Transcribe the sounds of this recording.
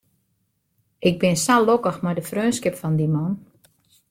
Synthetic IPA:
ʔɪɡ̚bɪnsalokəxmajdəfrøːnskɪpfɔndimɔn

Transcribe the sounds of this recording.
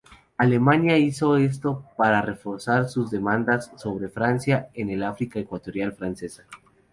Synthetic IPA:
ale̞manjaiso̞e̞s̬t̪o̞paɾare̞fo̞ɾsaɾsuzðe̞mãnd̪asːo̞β̞ɾe̞fɾansjae̞ne̞lafɾikae̞kwat̪o̞ɾjalfɾanse̞sḁ

